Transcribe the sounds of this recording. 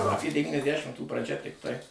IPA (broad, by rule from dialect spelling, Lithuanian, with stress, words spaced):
ɐˈpʲeː dʲɛʋʲiːnʲɛsʲˈtʲˈʃʲɪmtuː prɐˈʒʲɛ tʲɪkˈtɐɪ